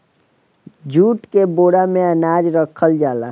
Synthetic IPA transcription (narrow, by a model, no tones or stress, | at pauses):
d͡ʒuːʈkeboːɽamẽənaːd͡ʒɾəkʰəld͡ʒaːlaː